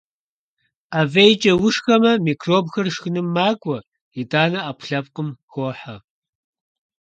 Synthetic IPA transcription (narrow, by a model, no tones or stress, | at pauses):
aːvejt͡ʃʼɐwʊʂxɐmɐmiːkʰroːbxɐrʂxɨnɨmːaːɡʷʼɔ | idaːnɐapʷʰɬɐp̚qəmxoħɐ